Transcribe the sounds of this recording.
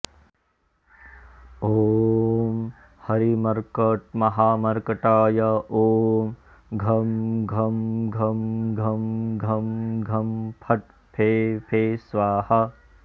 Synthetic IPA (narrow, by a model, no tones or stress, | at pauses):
oːm | hɐɾimɐɾkɐʈ̚mɐɦaːmɐɾkɐʈaːjɐoːm | ɡʱɐmɡʱɐmɡʱɐmɡʱɐmɡʱɐmɡʱɐmpʰɐʈ̪ | pʰeːpʰeːsʋaːhɐ